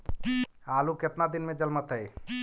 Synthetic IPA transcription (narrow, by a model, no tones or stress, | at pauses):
aluket̪nad̪inmẽd͡ʒəlmət̪ɦəj